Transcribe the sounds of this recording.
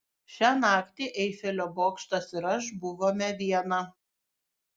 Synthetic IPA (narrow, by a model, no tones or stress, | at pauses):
ʃʲæːnɑːkt̪ʲeːʔɛɪfʲɛlʲoːboːkʃt̪ɐsɪɾɐʃbʊʋoːmʲɛʋʲiɛnɐ